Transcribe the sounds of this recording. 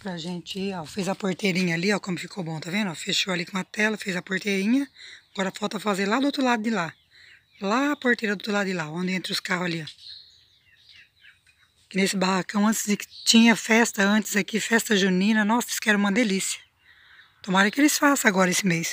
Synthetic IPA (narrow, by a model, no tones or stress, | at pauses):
pɾɐʒẽnt͡ʃɪiafezɐpoɾt̪ejɾĩɲɐaliɔkõmʊfi̥kʰowbõt̪avẽnd̪ʊafeʃoalikõɐt̪ɛlɐfezɐpoɾt̪ejɾĩɲɐaɡɔɾɐfawt̪ɐɐfazeɾlad̪ʊowt̪ɾʊlad̪ʊd͡ʒ̪ɪla | laːpoɾt̪ejɾɐd̪ʊot̪ɾlad̪ʊd͡ʒɪlaõnd̪ɪẽnt̪ɾʊskahʊzaliɔ | kɪnesɪbahakɐ̃w̃ɐ̃nt͡ʃ̪ɪzd͡ʒɪkɪ̥t͡ʃĩɲɐfɛst̪ɐɐ̃nt͡ʃ̪ɪ̥zakifɛst̪ɐʒunĩnɐnɔsskɪɛɾɐũmɐd̪elisiɐ̥ | t̪õmaɾɐ̃kelɪsfasɐ̃aɡɔɾɐesɪmejs